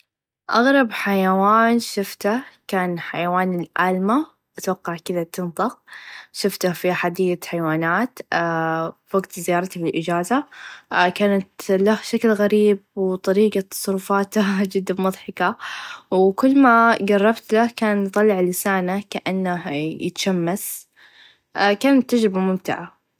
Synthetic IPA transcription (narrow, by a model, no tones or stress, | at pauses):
ʔɑ̰ɣɾˤɑbħajawaːnʃʊft̪ahkaːnħajawaːnɪlʔaːlma | ʔat̪wɑqːɑʕkɪðat̪ɪnt̪ˤɨq̚ʃʊft̪afiħad̪iːaħajwaːnaːt̪ | waɡt̪zɪjɑːɾˤt̪abɪlʔɪd͡ʒaːza | kaːnat̪lahʃaklɣaɾiːb̚wt̪ˤɑɾiːɡɑt̪ːɑ̥sˤɾˤʊfaːt̪ad͡ʒɪd̪ːamʊðˤħɑkɑwkʊlːmaɡɑrˤːɑbt̪lahkaːnt̪ˤɑlːɪʕlɪsaːnakaʔanːahjɪ̰t̪ḁʃamːas | kaːnt̪ːad͡ʒɾɪbamʊmt̪ɪʕa